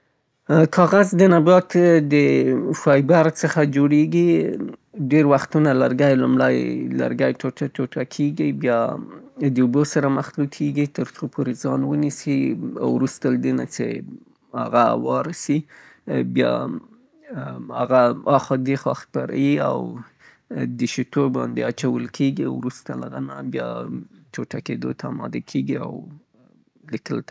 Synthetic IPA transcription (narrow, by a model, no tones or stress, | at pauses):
kʰɑɣazd̪ənabɑt̪d̪əʃɑjbaɾsəxad͡ʒoɽeɡi | ɖeɾwaxt̪unalaɾɡajlumlajla̰ɾɡajʈoaʈoʈʰakʰeɡibjɑ | d̪əubosaɾamaxlukʰeɡit̪əɾt͡sopʰoɾezɑnwənisia̰wɾust̪alad̪ena̰t͡ʃḛ | ha̰ɣawɑɾasi | bjɑ̰ | haɣaɑxɑd̪exwaxt̪̚paɾa̰jia̰w | d̪əʃit̪obɑ̰nd̪eat͡ʃawəlkʰeɡiawɾust̪alaɣanabjɑ̰t͡ʃoʈaked̪o̰t̪ʰaamɑ̰d̪akʰeɡia̰w | likəlt̪